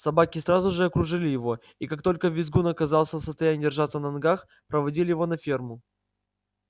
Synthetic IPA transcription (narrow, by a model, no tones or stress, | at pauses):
sɐbakʲɪsɾazʊʐɨɐkɾʊʐɨlʲɪjɪvo̞ | ikak̚t̪o̞lʲkəvʲɪzɡunɐkɐzɑlˠsʲəfsəst̪ɐjænʲɪːdʲɪrʐat̪sənɐnɡax | pɾəvɐdʲilʲɪjɪvo̞nɐfʲermʊ